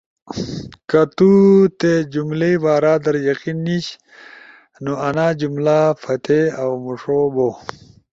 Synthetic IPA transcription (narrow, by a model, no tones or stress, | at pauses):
kat̪ut̪ed͡ʑumleibaːɾaːd̪ɐɾjɐqinːiɕ | noɐnaːd͡ʑumlafɐt̪ʰeawmuʂobo